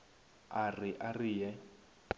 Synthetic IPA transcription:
arɪʔarijɛ

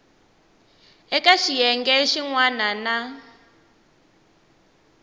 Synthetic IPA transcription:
ɛkaʃijɛŋɡɛʃiŋwanana

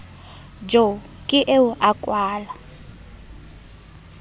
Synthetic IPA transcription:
d͡ʒo | kʼɪʔeuʔakʼwaːla

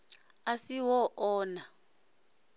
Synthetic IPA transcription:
asiwɔʔɔːna

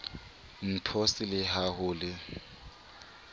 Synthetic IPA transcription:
n̩pʰɔsɪlɪɦahʊːlɪ

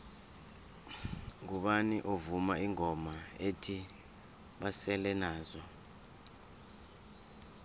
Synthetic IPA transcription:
ŋuɓaniʔovumaiŋʱɔmaetʰi | ɓasɛlɛnaːzɔ

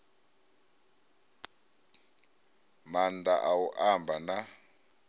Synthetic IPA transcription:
mand̪a̰ʔawuʔambʱana

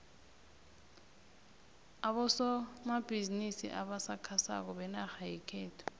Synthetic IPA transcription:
aɓɔsɔmab̥ʱizinisḭʔaɓasakʰasa̰k̬ɔɓɛnaxajikʰɛːtʰɔ̥

